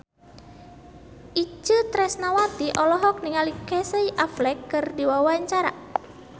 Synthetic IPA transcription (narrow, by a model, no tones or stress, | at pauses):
ʔid͡ʒət̪ɾɛsnawat̪iʔɔlɔɦɔk̚niŋalikɛsəiʔaflɛkːɨrdiwawaɲt͡ʃaɾa